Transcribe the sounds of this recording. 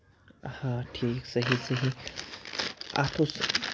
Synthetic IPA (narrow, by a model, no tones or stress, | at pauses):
hãʈʰiːksəɦisəɦi | a̰t̪ʰos